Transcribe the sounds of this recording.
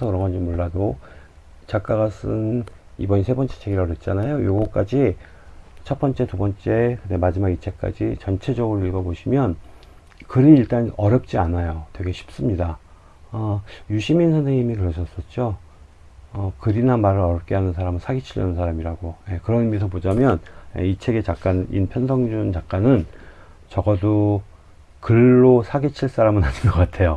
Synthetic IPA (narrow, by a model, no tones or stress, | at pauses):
sʰʌkɯɾʌŋɡʌnd͡ʑimoɭːado | t͡ɕak͈̚aɡas͈ɯn | ḭbʌɲisʰe̞bʌnt͡ɕ͈et͡ɕʰe̞ɡiɾʌɾjʌt̚t͡ɕ͈anajojoɡʌk͈ad͡ʑi | t͡ɕʰʌt̚p͈ʌnt͡ɕ͈e̞tubʌnt͡ɕ͈e̞kɯndemad͡ʑimaɡit͡ɕʰe̞k͈a̰d͡ʑit͡ɕʌnt͡ɕʰe̞d͡ʑʌɡɯɾoiɭɡʌboɕʰimjʌn | kɯɾiːɭt͈anʌɾjʌp̚t͡ɕ͈ianajotwe̞ɡe̞ɕʰi̥p̚s͈ɯmɲida | ʌjuɕʰiminsʰanzʰeŋɲimikɯɾʌɕʰʌs͈ʌt̚t͡ɕ͈o | ʌkɯɾinamaɾɯɾʌɾjʌp̚k͈e̞ɦanɯns̬ʰaɾamɯnsʰaɡit͡ɕʰiʎjʌ̰nɯnsʰaɾamiɾaɡoje̞kɯɾʌnimis̬ʰʌpod͡ʑamjʌnjḛit͡ɕʰe̞ɡe̞t͡ɕak̚k͈annḭnpʰjʌnsʰʌŋd͡ʑunt͡ɕak̚k͈anɯn | t͡ɕʌɡʌdo | kɯɭːosʰaɡit͡ɕʰiɭs͈aɾamɯnɦanɯnɡʌk͈atʰe̞jo